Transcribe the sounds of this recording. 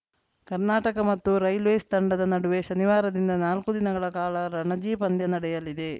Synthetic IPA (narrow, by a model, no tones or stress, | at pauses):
kɐɾnaːʈɐkɐmɐt̪ːuɾɐjlʋeːst̪ɐɳɖɐd̪ɐnɐɽuʋe̞ʃɐniʋaːɾɐd̪ind̪ɐnaːlkud̪inɐɡɐɭɐkaːlɐɾɐɳɐd͡ʒiːpɐnd̪jɐnɐɽɛjɐlid̪e̞